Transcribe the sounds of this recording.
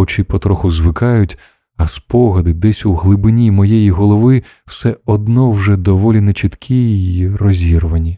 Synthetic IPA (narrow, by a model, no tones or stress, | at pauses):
wt͡ʃɪpɔt̪ɾɔxʊzʋɪkɑjʊtʲ | ɐspɔɦɐd̪ɪd̪ɛsʲuɦlˠɪbɪnʲimɔjɛjiɦɔlˠɔʋɪ | wsɛɔd̪nɔwʒɛd̪ɔʋɔlʲinɛt͡ʃɪt̪kʲʰijjirɔzʲiɾʋɐnʲi